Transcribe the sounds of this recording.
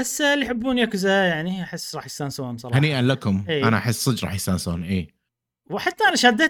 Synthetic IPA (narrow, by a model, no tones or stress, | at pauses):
asːlːijħɪbːuːnjakʊzajaʕniʔaħɪsːɾɑːħjɪsaːnsawhʊmsˤɑɾˤɑhaːniːʔanlakʊmʔiːʔanaʔaħɪsːˤɨd͡ʒɾˤɑ̰ːħjsaːnso̰ːnʔiː | wɪħat̪ːaʔanaʃaːd̪ːa